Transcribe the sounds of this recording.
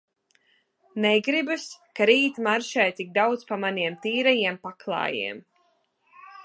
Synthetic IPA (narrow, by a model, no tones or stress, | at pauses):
nɛɡɾibuskaɾiːt̪maɾʃajt̪iɡ̚d̪awd̪zpamaniɛmt̪iːɾɛjiɛmpaklˠɑ̰ːjḭɛm